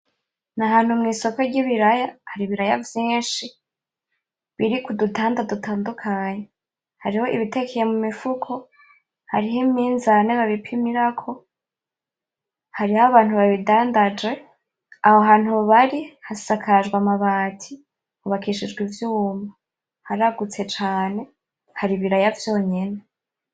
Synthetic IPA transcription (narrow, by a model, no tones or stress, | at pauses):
naɦaːn̥humŋiːso̞ko̞ɟiβiɾajahaɾiβiɾajavjiːʃi | βiɾikudutʰaːndadutʰaːndukʰaɲe | haɾiho̞ʔiβite̞kʰejemumifukʰo̞ | haɾiɦimiːnzaneβaβipʰimiɾakʰo̞ | haɾihaβaːn̥huβaβidaːndad͡ʒɡe̞ | aho̞ɦaːn̥huβaɾihasakʰad͡ʒɡwamaβaːtʰi | kuβakiʃid͡ʒɡwivjuːma | haɾaɡut͡se̞t͡ʃaːne̞ | haɾiβiɾajavjo̞ːɲe̞ne̞